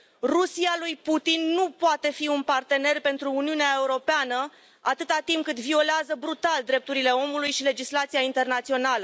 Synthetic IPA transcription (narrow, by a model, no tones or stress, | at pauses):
rusialujput̪inːupoat̪e̞fiunpart̪e̞ne̞rpe̞nt̪ɾuːniuneae̞uɾo̞peanə | at̪ɨt̪at̪impkɨt̪vio̞leazəbɾut̪ald̪ɾe̞p̚t̪uɾile̞o̞mulujʃile̞d͡ʒislat̪sijaint̪e̞rnat̪sio̞nalə